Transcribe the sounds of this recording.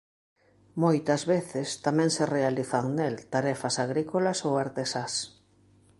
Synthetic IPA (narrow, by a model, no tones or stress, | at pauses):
mojt̪ɐzβeθɪst̪amɛ̃ŋserealiθaŋnelt̪aɾɛfɐsaɣɾikolɐsowaɾt̪esas